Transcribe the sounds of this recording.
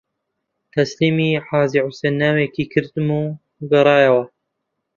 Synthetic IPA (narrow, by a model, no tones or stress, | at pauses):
t̪ʰɐsliːmiːħaːziːʕusenːaːwekiːkʰɨɾd̪ɨmu | ɡɐɾˤɑːjɐwɐ